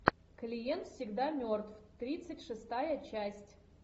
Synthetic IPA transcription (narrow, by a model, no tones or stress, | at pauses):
klʲijent̪fsʲɪɡd̪amʲort̪ft̪ɾʲit̪sɨtʲʂɨst̪ajət͡ɕæsʲtʲ